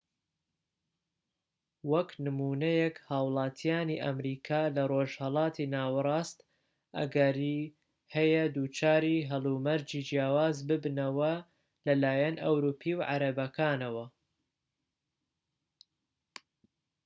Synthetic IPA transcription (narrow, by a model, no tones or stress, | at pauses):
wɐknɨmuːnɐjɛkhaːwlˠɑːt̪ʰijaːniʔɐ̰mɾiːkʰaːlɐroːʒhɐlˠɑːt̪ʰinaːwrˤɑːst̪ | ʔɐ̰ɡɐɾi | hɐjɐd̪ut͡ʃaːɾiːɦɐlˠumɐɾd͡ʒiːd͡ʒjaːwaːzbɨbnɐwɐ | lɐlaːjɐnʔɐwɾuːpʰiːwʕa̰ɾɐbɐkʰaːnɐwɐ